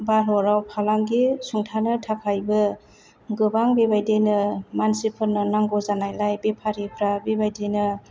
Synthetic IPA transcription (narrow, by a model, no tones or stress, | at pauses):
balɔɾawpʰalaŋɡisuŋtʰanɯtʰakʰajbɯ | ɡɯbaŋbebajdenɯmansipʰɯnɯnaŋɡɔzanajlajbepʰaɾipʰɾabebajdenɯ